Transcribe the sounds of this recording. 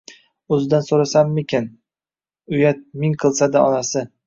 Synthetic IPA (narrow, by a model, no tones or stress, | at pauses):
ɵzɪd̪ansoɾasamːɪkʲʰɪn | ʊjat̪̚mɪŋqʰɨlˠsad̪aɒnasɪ